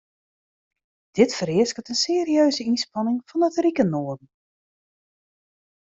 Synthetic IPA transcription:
d̥ɪtfəɾɪəskətənseːriøːzəinspɑnɪŋfɔnətrikənoːərdən̩

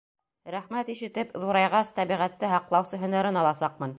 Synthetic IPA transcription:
ɾæχmæt̪iʃɘ̆t̪ɘpðuɾɑjʁɑst̪æβiʁæt̪ːɘɦɑqlˠɑwsɤɦɵ̆næɾɘnɑlˠɑsɑq̚mɤ̆n

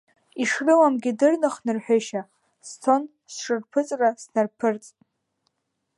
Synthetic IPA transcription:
iʂrɨwamɡʲɪdɨrnɨχnɨrħʷᶣʏʃa | stʰon | sʂɨrpʰɨt͡sʼrasnarpʰɨrt͡sʼ

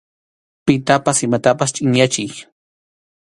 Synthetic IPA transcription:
pɪt̪apasɪmat̪apast͡ʃʼɪŋɲat͡ʃɪj

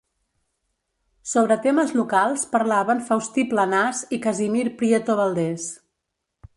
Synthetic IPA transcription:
soβɾət̪eməzlukalˠspəɾlaβənfawst̪iplənazikəzimiɾpɾiet̪oβalˠd̪ɛs

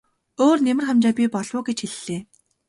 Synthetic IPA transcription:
oːrnemɘ̆rχamt͡ɕaːpʲipɔɮwʊːɡet͡ɕxeɮːeː

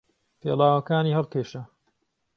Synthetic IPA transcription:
t̪ʰḛːlaːwɐkaːniːhɐlˠkʰeːʃɐ

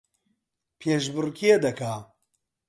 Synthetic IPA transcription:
pʰeːʃbɨrɨkʰied̪ɐkʰaː

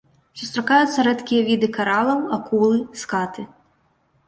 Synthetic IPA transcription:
sust̪ɾakajut̪sːɐɾɛt̪kʲijɐvʲid̪ɨkaɾalˠɐwakulˠɨskat̪ɨ

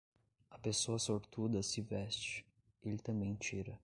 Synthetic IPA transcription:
ɐpesoɐsoɾt̪ud̪ɐsɪvɛst͡ʃɪ̥ | elɪt̪ɐ̃mbẽj̃t͡ʃiɾɐ

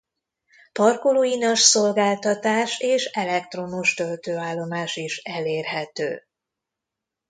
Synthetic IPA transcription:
pɒrkoloinɒʃso̞lɡaːlt̪ɒt̪aːʃeːʃɛlɛk̚t̪ro̞muʃt̪ølt̪øːaːlːo̞maːʃiʃɛleːrɦɛt̪ø̰ː

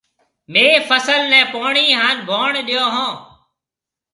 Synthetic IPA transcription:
meːfəsəlnɛ̃ːpoːɳiːɦaːnbʱoːɳɗɪjoːɦõː

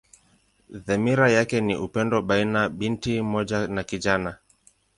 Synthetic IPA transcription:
ðɛmiɾajakɛniʔupɛndɔɓainaɓintimɔʄanakiʄana

